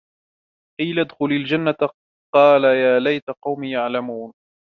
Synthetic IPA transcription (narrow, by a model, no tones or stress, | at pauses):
ʔajlad̪xʊlald͡ʒanːat̪a | qɑːlajaːlajt̪aqɑwmiːjaʕlamuːn